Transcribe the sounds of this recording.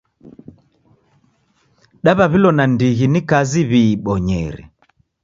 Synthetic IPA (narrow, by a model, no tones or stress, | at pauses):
ɗaβaβilɔnandiɣinikaziβiːɓɔɲɛɾɛ̰